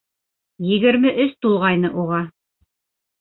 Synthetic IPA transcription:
jɘ̆ɡɘ̆ɾmɘʔɵst̪ulˠʁɑjn̪ɤʔuʁɑ

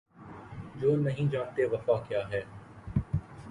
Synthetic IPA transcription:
d͡ʒoːnɐɦĩd͡ʒãːnt̪eʋɐfaːkjaːɦɛː

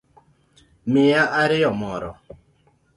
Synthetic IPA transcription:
mɪaʔaɾɪjɔmɔɾɔ̰

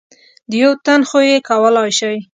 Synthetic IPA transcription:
d̪əjawt̪anxojekawəlɑjʃaj

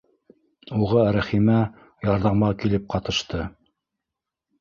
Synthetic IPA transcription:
uʁɑɾæχimæ | jɑɾðɑmɑkilɘp̚qɑt̪ɤ̆ʃt̪ɤ

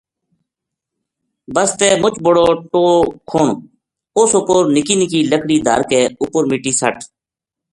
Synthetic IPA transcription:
bəst̪eːmʊt͡ʃbʊɽoːʈoːkʰoːɳ | ʊsʊpoɾnɪkiːnɪkiːləkʰɽiːd̪ʱə̰ɾkeːʊpəɾmiʈiːsə̰ʈ

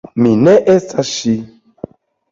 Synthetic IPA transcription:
minɛʔesaʃi

